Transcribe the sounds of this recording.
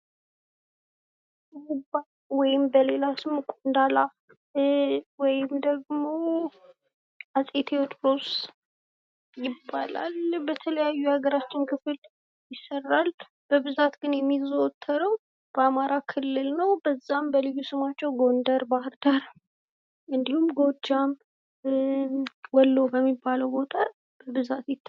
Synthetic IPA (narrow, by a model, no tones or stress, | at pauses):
ba | wɔjɪmbəle̞lasɨmkʷʼond̪ala | wɔjɪmd̪əɡmo̞ | asʼet̪ʰewot͡ʃːpɾos | jɪbːala̰lbət̪ʰələjajːuhaɡəɾat͡ʃːɪnkʰɨfl | jɪsːərːal | b̥əbɨzat̪ɡɨnjɛmːizot̪ʰːəɾəw | b̥əamaɾakʰɨlːɨlnəwbəzːambəlɨjːusɨmat͡ʃːɛwɡo̞nd̪əɾbahɨɾd̪aɾ | ɨnd̪ihumɡo̞d͡ʒːam | wɔlːowbəmːibːaləwbo̞t̪ʼʰa | b̥əbɨzat̪jɛt̪ː